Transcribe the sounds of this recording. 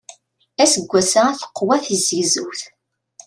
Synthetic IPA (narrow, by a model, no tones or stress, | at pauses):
æsəɡʷːæsaæθə̥qːwæθizizuwθ